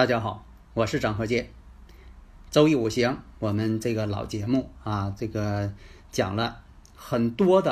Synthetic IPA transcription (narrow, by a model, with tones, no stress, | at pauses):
t̪a˥˩t͡ɕja˥xɑ˨˩˦ʊ | wɔ˨˩ʂɻ̩˥˩ʈ͡ʂɑ˨˩ŋxɤ˧˥t͡ɕjɛ˥˩n | ʈ͡ʂo˥ʊi˥˩u˨˩ɕjɑ˧˥ŋwɔ˨˩mə˦nʈ͡ʂɤ˥˩ɡə˩lɑ̰˨˩ʊt͡ɕjɛ˧˥mu˥˩a˥˧ʈ͡ʂɤ˥˩ɡə˩ | t͡ɕjɑ̰˨˩ŋlə˦ | xə˨˩nt̪wɔ˥d̪ə˨